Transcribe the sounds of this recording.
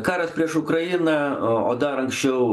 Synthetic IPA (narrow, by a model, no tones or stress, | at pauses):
kɑːɾɐspʲiɛʃʊkɾɐjɪnɐo̰ːd̪ɐɾɐŋksʲt͡ʃʲɛʊ